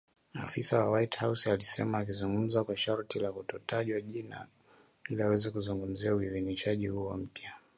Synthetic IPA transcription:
ma̰fisawawaithawsalisɛ̰maːk̬izuŋɡum̩zakwaʃaɾtilakutɔtaʄiwaʄina̰ | iliawɛzɛkuzuŋɡum̩ziauiðiniʃaʄihuɔm̩pja

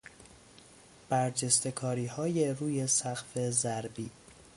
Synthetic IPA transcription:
b̥æɾd͡ʒest̪e̞kʰɒːɾiːhɒːjeruːje̞sæɣfe̞zæɾbiː

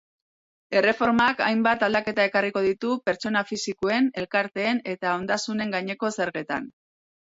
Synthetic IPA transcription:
e̞re̞fo̞ɾmakajmbat̪ald̪ake̞t̪ae̞kariko̞ð̞it̪upe̞ɾt͡ʃo̞nafisikoe̞ne̞lkaɾt̪e̞ːne̞t̪ao̞nd̪asune̞ŋɡaɲe̞ko̞se̞ɾɣe̞t̪a̰n

